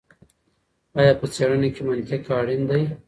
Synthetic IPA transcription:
ɑːjɑːpət͡seɽənekemankekɑːɽɪnd̪aj

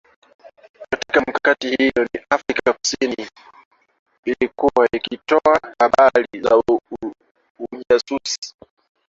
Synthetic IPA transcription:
katikam̩kakatihijɔniʔafɾikaku̥sini | ilikuwaikitɔahaɓaliza̰ | uasusi̥

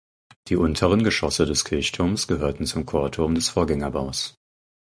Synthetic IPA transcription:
d̥iːʔʊntʰəʁ̞ənɡəʃɔsədɛskʰɪɐçtʰʊɐmsɡ̥əhøːɐtn̩t͡sʊmkʰoːɐtʰʊɐmdɛsfoːɐɡɛŋɐbaʊs

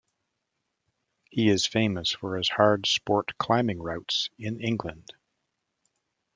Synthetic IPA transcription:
hiɪz̥fẽɪ̃məsfə˞ɨz̥hɑɹd̥spɔɹtkʰl̥ãɪ̃mɪ̃ŋɹaʊtsɪ̃nɪ̃ŋɡlə̃nd̥

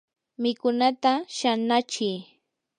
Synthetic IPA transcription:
mɪkʊnat̪aʃanat͡ʃɪj

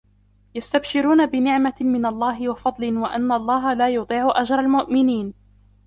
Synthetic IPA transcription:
jast̪abʃɪɾuːnabɪnɪʕmamɪnalˤːɑːɦɪwɑfɑd̪ˤlɪnwaʔanːalˤːɑːɦalaːjʊt̪ˤiːʕʊʔad͡ʒɾˤɑlmʊʔmɪniːn

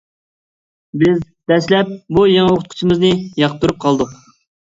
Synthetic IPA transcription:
bɪz | d̪̥ɛslɛp̚bujɑŋɑoqʰʊt̪qʰʊ̥t͡ʃʰimɪznɪjɑqt̪uɾup̚qʰɑlˠd̪ʊq

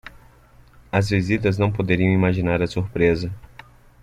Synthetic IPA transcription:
ɐzvizit̪ɐznɐ̃w̃pod̪eɾiɐ̃w̃imaʒinaɾɐsuɾpɾezɐ

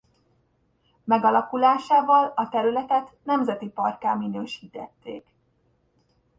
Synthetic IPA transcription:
mɛɡɒlɒkulaːʃaːvɒlɒt̪ɛɾylɛt̪ɛt̪nɛmzɛt̪ipɒrkaːminøːʃiːt̪ɛt̪ːḛːk

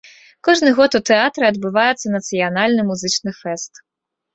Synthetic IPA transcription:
kɔʐnɨɣɔt̪ut̪ɛat̪ɾɨɐd̪bɨvajɛt̪sːɐnɐt̪sɨjanalʲnɨmuzɨt͡ʂnɨfɛst̪

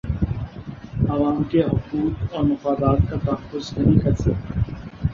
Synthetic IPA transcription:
ɐʋaːmkeɦʊquːt̪ɔːɾmɐfaːd̪aːt̪̚kat̪ɐxʊznɐɦĩkʰɐɾsɐ

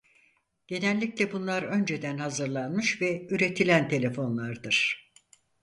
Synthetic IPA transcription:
ɟ̥e̞nɛlʲːiclʲɛbunlˠaɾø̞nd͡ʒe̞d̪ænhazɯɾlˠanmɯʃvɛyɾe̞t̪ʰilʲænt̪ʰe̞lʲe̞fo̞nlˠaɾd̪ɯɾ̥

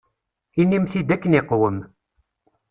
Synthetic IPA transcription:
inːimθid̪ækːənɪqwəm

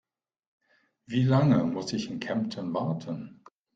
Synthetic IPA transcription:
viːlaŋəmʊsɪçɪnkʰɛmptʰənvaɐtʰən

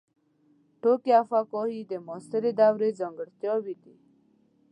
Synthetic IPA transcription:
ʈokjaːfakɔɦid̪emɔst̪eɾed̪awɾed͡zəŋɡəɽt̪jɔwit̪i

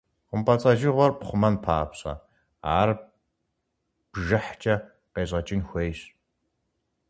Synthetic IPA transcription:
qʷʊmpʼɐt͡sʼɐʒɪʁʷɔrpχʷʊmɐnpʰaːpɕɐ̰ | a̰ːr | b̥ʒɨħt͡ʃʼɐ | qeːɕʼɐt͡ʃʼɪnxʷejɕ

